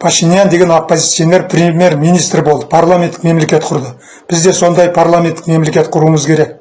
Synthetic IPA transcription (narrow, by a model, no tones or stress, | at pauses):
pʰaʃinijand̪e̞ɡʲe̞no̞pːo̞zʲit̪sijo̞nːe̞ɾprʲemʲjeɾmijnijst̪ɾɪbo̞lˠd̪əpʰarlˠame̞nt̪ːɪ̥kme̞mle̞kʲe̞t̪qʰʊɾd̪ə | b̥ɪzd̪e̞so̞nd̪ɑjpʰarlˠamʲet̪ːɪ̥kme̞mle̞kʲe̞t̪qʰʊɾuəməzkʲʰe̞ɾe̞k̚